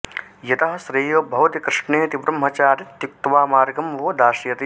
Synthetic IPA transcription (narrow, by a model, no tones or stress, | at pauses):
jɐt̪ɐɦɐ̆sɾeːjoːbʱɐʋɐt̪ikɾɪʂɳeːt̪ibɾɐmːɐt͡ʃaːɾt̪juk̚t̪ʋaːmaːɾɡɐmʋoːd̪aːʃjɐt̪i